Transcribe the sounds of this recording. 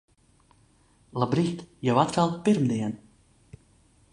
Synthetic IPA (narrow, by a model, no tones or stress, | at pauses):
lˠabɾixt̪jawat̪ɾalˠpiɾmd̪iɛn